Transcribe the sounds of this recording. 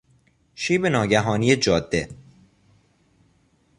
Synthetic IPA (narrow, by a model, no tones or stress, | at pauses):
ʃiːbenɒːɟæɦɒːniːjed͡ʒɒːd̪̥ːe